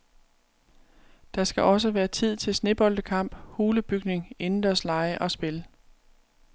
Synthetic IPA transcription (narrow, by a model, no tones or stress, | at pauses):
d̥ɑ̈sɡ̥æʔɒ̽s̬əʋæːɐt͡sʰið̞̰ˠt͡sʰe̝lsne̝b̥ɒ̽ld̥əkʰɑ̈m̰b̥huːləb̥yɡ̥ne̝ŋe̝nn̩d̥æɐslɑ̈ɪəʔɒ̽sb̥e̝lə